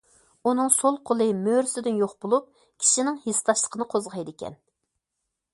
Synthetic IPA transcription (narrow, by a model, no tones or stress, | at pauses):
unɨŋsolˠqʰolˠɨmøɾsɪd̪ɪnjoχbolˠup̚ | kʲʰi̥ʃinɪŋhest̪ʰɑʃlˠə̥qʰənɨqʰozʁɑjd̪ɪkʲʰɛ̰n